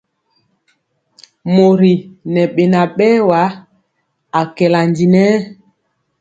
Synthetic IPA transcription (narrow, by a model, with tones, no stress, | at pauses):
mo˨ɾi˨nɛ˨ɓe˨na˨ɓɛː˦wa˨˦ | a˨kɛ˨la˨ndi˨nɛ˦